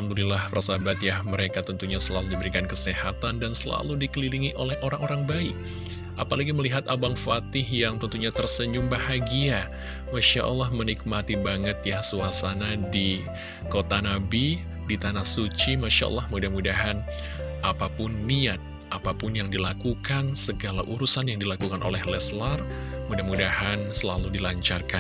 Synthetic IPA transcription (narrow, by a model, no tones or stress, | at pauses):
amd̪ulilahpra̰sabat̪jahməɾekat̪ənt̪uɲasəlaludibəɾikankəsehat̪andansəla̰ludikəliliŋiʔolɛhʔoɾaŋoɾaŋbaɪk̚ | ʔapalaɡiməliɦat̪abaŋfat̪ɪhjaŋt̪ənt̪uɲat̪ərsəɲd͡ʒumbahaɡia | maʃa̰ʔə̰lːahmənik̚mat̪ibaŋət̪̚jahsuasanadi | kot̪anabi | dit̪anahsut͡ʃimaʃa̰ʔɔ̰lːɑhmudahmudaɦan | ʔapapʊnːiat̪̚ | ʔapapʊnjaŋdilakukansəɡala̰ʔuɾusanjaŋdilakukanʔo̰lɛhlɛslar | mudahmudahansəlaludilaɲt͡ʃarkan